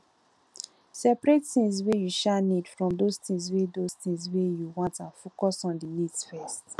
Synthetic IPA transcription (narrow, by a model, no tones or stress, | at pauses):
sɛpɹetθĩŋswejuʃanidfɹɔ̃mdostĩŋswedostĩŋswejuwɔ̃ntãnfokɔsɔ̃ndinidsfɛst